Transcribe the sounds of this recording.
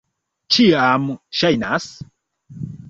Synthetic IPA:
t͡ʃiamʃajnas

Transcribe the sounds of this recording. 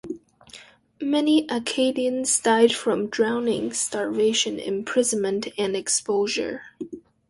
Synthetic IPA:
mɛniʔəkʰeɪɾiɨ̃nzdaɪd̥fɹʌ̃mdɹãʊ̃nɪ̰̃ŋstɑɹveɪʃɨ̃nɪ̰̃mpʰɹ̥ɪznmɨ̃ntʰɨ̃nɨkspoʊʒə̰˞

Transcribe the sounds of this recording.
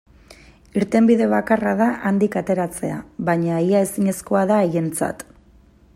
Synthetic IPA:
iɾt̪e̞mbiðe̞βakaraðaʔand̪ikat̪e̞ɾat͡se̞aβaɲaiae̞siɲe̞sko̞aðaeje̞nt͡sa̰t̪

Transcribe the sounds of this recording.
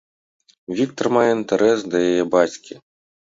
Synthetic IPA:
vʲik̚t̪ɐrmajɛint̪ɐɾʔɛsd̪ɐjajɛbat͡sʲkʲi

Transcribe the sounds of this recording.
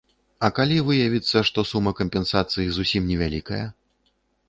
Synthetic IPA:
ɐkalʲivɨjɐvʲit̪sːɐʂt̪ɔsumːɐkɐmʲpʲɛnsat̪sɨjizusʲimnʲɛvʲalʲikɐ̰jɐ

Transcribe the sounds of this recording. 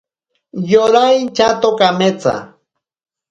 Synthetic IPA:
joɾajt͡ʃat̪okamet͡sa̰

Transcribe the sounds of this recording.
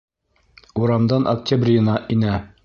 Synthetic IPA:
uɾɑmd̪ɑnʔok̚tʲabrʲɪjɤ̆nɑʔinæ

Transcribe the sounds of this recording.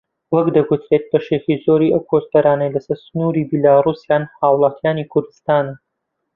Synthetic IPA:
wɐkd̪ɐɡut̪ʰɾet̪̚bɐʃeciːzoːɾiːʔɐwkʰost̪ɐɾaːnɐjlɐsɐɾsʊnuːɾiːbilaːruːsjaːnhaːwlˠɑːt̪ʰjaːniːkʰʊɾd̪ɨst̪aːnɐ

